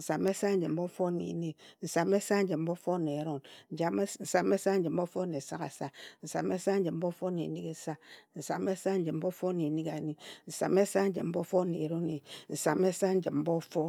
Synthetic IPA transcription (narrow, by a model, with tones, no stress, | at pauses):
n̩˨sa˨me˦sa˦n̩˦d͡ʒm̩˦bo˦fo˦nḛ˨˦ni˦n̩˨sa˨me˦sa˦n̩˦d͡ʒɨ˨m̩˦bo˦fo˦ne˨˦ɾo˦nn̩˨d͡ʒa˨m˦n̩˨sa˨m˦e˦sa˦n̩˦d͡ʒm̩˦bo˦fo˦ne˨sa˦ka̰˨sa˦n̩˨sa̰˨m˦e˦sa˦n̩˦d͡ʒɨ˨m̩˦bo˦fo˦nḛ˨ni˦ke˦sa˦n̩˨sa˨m˦e˦sa˦n̩˦d͡ʒɨ˨m̩˦bo˦fo˦ne˨ni˦ka˨˦ni˦n̩˨sa̰˨me˦sa˦n̩˦d͡ʒɨ˨m̩˦bo˦fo˦nḛ˨˦ɾo˦ne˨n̩˨sa˨me˦sa˦n̩˦d͡ʒi˨m̩˦bo˦fo˦